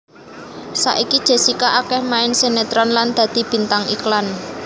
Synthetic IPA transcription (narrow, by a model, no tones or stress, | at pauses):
sa̰ʔikid̥ʒ̥e̤sikaʔakɛhmaɪnsenet̪ɾɔnland̪̥ä̤d̪̥i̤b̥i̤nt̪aŋḭklan